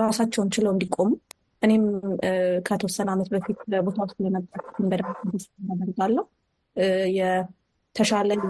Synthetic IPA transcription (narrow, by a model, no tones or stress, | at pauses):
ɾasat͡ʃːɛwnt͡ʃɪləwɨnd̪ikʼo̞mu | ʔɨne̞m | kʰət̪ʰəwɔsːənamət̪bəfit̪bo̞t̪ʰawost̪lənəbːəɾt̪ɨnbəd̪ad̪əsnad̪əɾɡalːəhu | jɛ | t̪ʰəʃalə